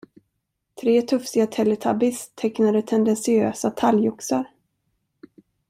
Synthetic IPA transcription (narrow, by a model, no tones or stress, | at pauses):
t̪ʰɾeːt̪ʰɵfsɪɡat̪ʰɛlːɛt̪ʰabɪst̪ʰːɛknad̪ət̪ʰɛnd̪ɛnsɪøːsat̪ʰaljʊksaɾ